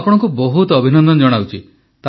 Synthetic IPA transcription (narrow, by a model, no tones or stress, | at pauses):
pɔɽ̃ɔŋkubɔɦut̪ɔɔbʱinɔnd̪ɔnɔd͡ʒɔɽ̃awt͡ʃʰi | t̪